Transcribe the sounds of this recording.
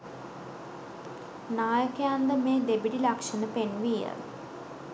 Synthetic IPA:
naːjəkejand̪əmeːd̪ebiʈilakʂənəpenʋijə̰

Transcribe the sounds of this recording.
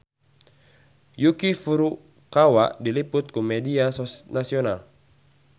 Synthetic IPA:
jukifuɾu | kawaʔdiliput̪̚kumɛdiasɔnasiɔnal

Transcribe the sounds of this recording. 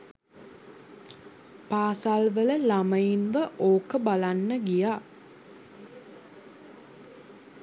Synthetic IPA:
paːsalʋələlaməjinʋəʔoːkəbalanːəɡijaː

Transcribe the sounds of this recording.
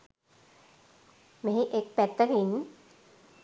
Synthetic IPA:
meɦĩʔek̚pɛt̪ːəkin

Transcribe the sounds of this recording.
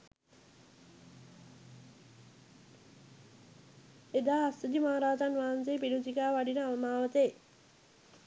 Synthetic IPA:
ed̪aːsud̪imaːaɾaːd͡ʒanʋaːanseːpiɖud͡ʒikaːʋaɖinəaʋəmaːʋət̪əj

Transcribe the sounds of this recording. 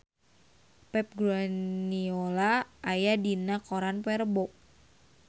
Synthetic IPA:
pɛp̚ɡɾaniolaʔːjadinakoɾanpɛɾbɔk̚

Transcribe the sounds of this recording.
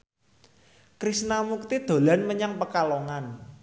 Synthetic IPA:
kɾisnamuk̚t̪id̪̥o̤lanməɲaŋpəkaloŋan

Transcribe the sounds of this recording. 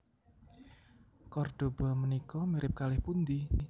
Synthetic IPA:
kɔrd̥o̤bɔmənikɔmiɾɪp̚kalɪhpund̪i

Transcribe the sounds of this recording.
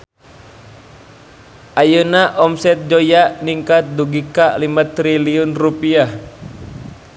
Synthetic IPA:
ʔajənaʔɔmsɛt̪̚d͡ʒojaʔniŋkat̪̚duɡikalimat̪ɾiliunrupiah

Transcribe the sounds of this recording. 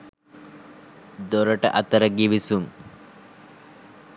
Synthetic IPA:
d̪oɾəʈə̰ʔɐt̪əɾəɡiʋisuŋ

